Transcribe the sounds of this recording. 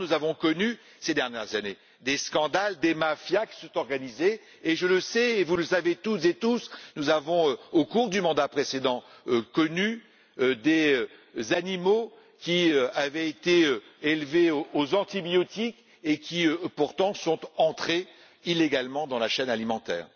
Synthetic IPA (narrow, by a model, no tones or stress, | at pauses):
nuzavɔ̃kɔny | sed̪ɛʁnjɛʁzane | d̪eskɑ̃d̪ald̪emafjakʲi̥sɔ̃t̪ɔʁɡanizeː | ʒələsɛevuləsavet̪ut̪zet̪usnuzavɔ̃øokuʁd̪ymɑ̃d̪apχesed̪ɑ̃ | økɔny | ød̪eøzanimo | kʲiøavɛet̪eø | elveoozɑ̃t̪ibjɔt̪ik | ekʲiøpuʁt̪ɑ̃sɔ̃t̪ɑ̃t̪χe | ileɡalmɑ̃d̪ɑ̃laʃɛnalimɑ̃t̪ɛ̰ːʁ